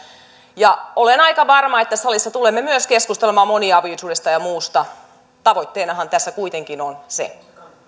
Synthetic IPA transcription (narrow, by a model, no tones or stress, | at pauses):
jɑolenɑikɑʋɑrmɑet̪ːæsɑlisːɑt̪ulemːemyøskeskust̪elemɑːmoniɑʋiʋsuːdest̪ɑjɑmuːst̪ɑ | t̪ɑʋoijt̪ːeːnɑhɑnt̪æsːækuit̪eŋkinonsḛ